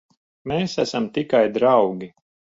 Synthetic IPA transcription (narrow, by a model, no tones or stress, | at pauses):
meːsæsamt̪ikajd̪ɾawɡʲi